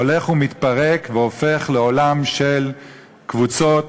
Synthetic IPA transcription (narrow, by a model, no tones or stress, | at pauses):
ole̞χumit̪paʁekveo̞fe̞χleo̞lamʃel | kvut͡so̞t